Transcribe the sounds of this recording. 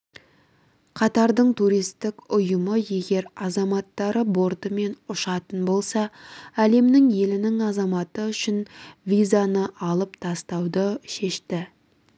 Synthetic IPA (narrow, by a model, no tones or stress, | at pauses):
qʰɑt̪ɑɾd̪əɴt̪ʰuɾijst̪ɪkʊjəməje̞ɡʲe̞ɾɑzɑmɑt̪ːɑɾəbo̞ɾt̪əme̞nʊʃɑt̪ənbo̞lˠsɑæle̞mnɪŋje̞lɪnɪŋɑzɑmɑt̪əʏʃɪnvʲijzanəʔɑlˠəpt̪ʰɑst̪ɑwd̪əʃe̞ʃt̪ɪ